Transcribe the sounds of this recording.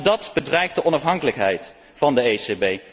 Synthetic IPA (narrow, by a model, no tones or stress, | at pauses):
dɑtbədrɛjχdəʔɔnɑfɦɑŋkələkɦɛ̰jt | fɑndəejsebej